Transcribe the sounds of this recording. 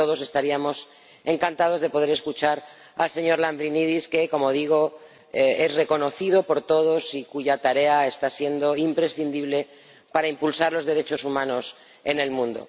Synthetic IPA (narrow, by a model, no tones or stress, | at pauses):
to̞ðo̞se̞st̪aɾiamo̞s | e̞ŋkant̪að̞o̞zð̞e̞po̞ðe̞ɾe̞skut͡ʃaɾ | alse̞ɲo̞ɾlambɾiniðiske̞ko̞mo̞ð̞iɣ̞o̞ | eezre̞ko̞no̞θið̞o̞po̞ɾt̪o̞ðo̞sikuʝat̪aɾe̞ae̞st̪asje̞nd̪o̞impɾe̞sθind̪iβle̞ | paɾaimpulsaɾlo̞zðe̞ɾe̞t͡ʃo̞sumãno̞s | e̞ne̞lmũnd̪o̰